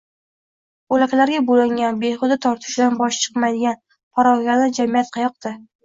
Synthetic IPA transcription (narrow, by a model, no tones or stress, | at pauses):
bolakʲlaɾɡʲabolɪŋʲanbeχʊd̪ɪt̪ʰɒɾt̪ʰɪ̥ʃd̪anbɒʃt͡ʃʰɨ̥qmajd̪ɪɡʲan | pʰɒɾɒɡʲanad͡ʒamijat̪̚qʰɑjɒq̚d̪̥ɪ